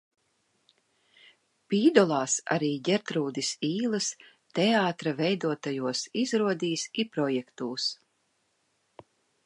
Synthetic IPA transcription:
piːd̪ɔlˠɑːsa̰ɾiːɟɛɾt̪ɾuːd̪isiːlˠɨs | t̪ɛaːt̪ɾavɛjd̪uɔt̪ajuɔsizɾuɔd̪iːsipɾɔjɛkt̪uːs

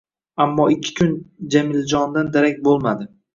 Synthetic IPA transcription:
amːɒɪkʲʰːɪ̥kʲʰʊnd͡ʒamɪld͡ʒɒnd̪and̪aɾak̚ʲbolˠmad̪ɪ

